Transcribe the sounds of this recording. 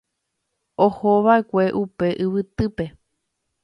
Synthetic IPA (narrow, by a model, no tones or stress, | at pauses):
ohoβae̞kʷe̞ʔupe̞ʔɨβɨt̪ɨpe̞